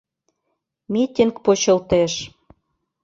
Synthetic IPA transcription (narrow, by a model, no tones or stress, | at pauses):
mʲit̪ʲiŋkpot͡ɕɤ̆lt̪eʃ